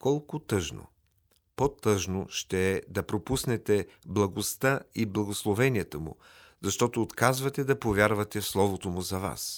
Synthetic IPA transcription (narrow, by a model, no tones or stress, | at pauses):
kɔlˠkʊt̪ɤʒno̰ | pot̪ɤʒno̰ʃt̪ɛːd̪ɐpɾopusnɛt̪ɛ | blˠɐɡost̪aiblˠɐɡoslˠovɛniɛt̪əmʊ̰ | zɐʃt̪ɔt̪oːt̪kazvɐt̪ɛd̪ɐpovʲjaɾvɐt̪ɛfslˠɔvot̪omʊzɐva̰s